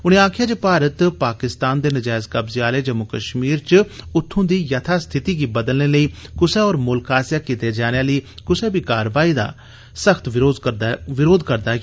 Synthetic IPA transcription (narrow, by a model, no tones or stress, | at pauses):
ʊñẽːaːkʰɪjaːd͡ʒepaːɾət̪paːkɪst̪aːnd̪eːnəd͡ʒaːɪzkəbzeaːleːd͡ʒəmʊkəʃmiːɾt͡ʃʊt̪ʰːõːd̪iːjət̪ʰaːst̪ʰɪt̪iːɡiːbəd̪əlneːləiːkʊseːɔːɾmʊlkaːsjaːkiːt̪eːd͡ʒaːñeaːləiːkʊseːbiːkaːɾʋaːiːd̪a̰ː | səxʰt̪ʋːzʋɪɾoːd̪kəɾd̪aː